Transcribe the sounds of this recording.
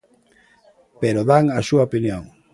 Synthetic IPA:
peɾoðaŋasuaopinjoŋ

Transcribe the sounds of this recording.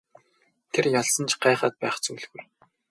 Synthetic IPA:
t̪ʰerjaɮsə̆nt͡ɕɢæːχəːt̪̚pæːχt͡suːɮɣuj

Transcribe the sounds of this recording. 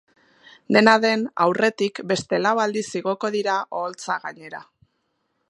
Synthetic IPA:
d̪e̞naðe̞na̰wre̞t̪ikbe̞st̪e̞laβald̪isiɣ̞o̞ko̞ðiɾaʔo̞ːlt͡saɣaɲe̞ɾa

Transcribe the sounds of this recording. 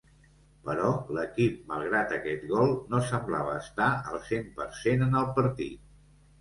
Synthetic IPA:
pəɾɔləkip̚məlˠɣ̞ɾat̪əkɛt̪ɣɔlˠnosəmbla̰βəːst̪aəlˠsempəɾsenənəlˠpəɾt̪ḭt̪̚

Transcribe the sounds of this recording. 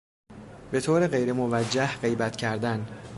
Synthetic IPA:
be̞t̪ʰoːɾeɣe̞jɾe̞movæd͡ʒːæhɢe̞jbæt̪cʰæɾd̪æn

